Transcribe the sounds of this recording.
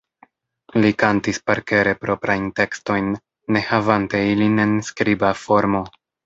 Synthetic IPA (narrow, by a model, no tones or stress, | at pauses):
likantispaɾke̞ɾe̞pɾo̞pɾajnte̞ksto̞jnː | e̞havante̞iline̞nskɾibafo̞ɾmo̞